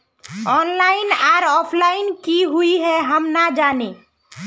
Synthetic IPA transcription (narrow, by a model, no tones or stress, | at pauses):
ɔnlaɪnaɾɔːpʰlaɪnkiɦuiɦɛɦəmnad͡ʒane